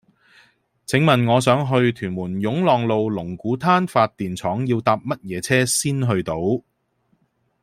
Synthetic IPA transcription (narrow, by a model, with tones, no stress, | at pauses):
t͡sʰɪ˨˥ŋmɐ˨˩nŋɔː˨˧sœː˨˥ŋɦɵ˧ɥt̪ʰyː˨˩nmuː˨˩njʊ˨˥ŋlɔː˨˩ŋlo˨˧wlʊ˨˩ŋkuː˨˥t̪ʰaː˥nfaː˧t̚t̪iː˨nt͡sʰɔː˨˥ŋjiː˧wt̪aː˧p̚mɐ˥t̚jɛː˨˧t͡sʰɛː˥siː˥nɦɵ˧ɥt̪o˨˥w